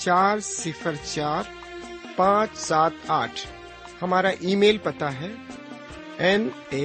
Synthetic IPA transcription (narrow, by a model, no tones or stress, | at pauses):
t͡ʃaːɾsɪfəɾt͡ʃaːɾ | pãːt͡ʃsaːt̪aːʈʰ | hɐmaːɾaʔiːmeːlpɐt̪aɦɛː | ɛne